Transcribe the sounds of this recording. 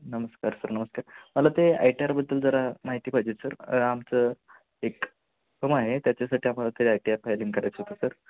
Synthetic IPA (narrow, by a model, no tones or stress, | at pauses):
nəməskaɾsəɾnəməskaɾməlat̪ea̰jʈiaɾbəd̪ːəld͡zəɾamaɦit̪iːpad͡ʑet̪səɾamt͡sə | ek | pʰəmaɦet̪jat͡ɕasaʈiːam̤alat̪eɾajʈiapajliŋɡkəɾajt͡sɦt̪əsəɾ